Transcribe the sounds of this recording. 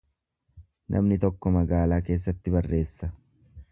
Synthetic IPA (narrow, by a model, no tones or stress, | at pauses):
nʔɐ̰mnɪt̪ɔkːɔmɐɡaːlaːke̞ːs̬ːɐt̪ːɪbɐrːʔe̞ːsːɐ